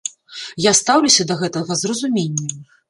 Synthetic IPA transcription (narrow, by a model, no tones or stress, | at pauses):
jast̪awlʲusʲɐd̪ɐɣɛt̪ɐɣɐzrɐzumʲenʲːɛ